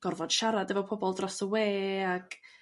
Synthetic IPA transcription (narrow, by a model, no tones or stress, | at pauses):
ɡ̥ɔrvɔd̥ʃaɾadəvɔpʰɔbɔlˠdrɔsəweːaɡ̥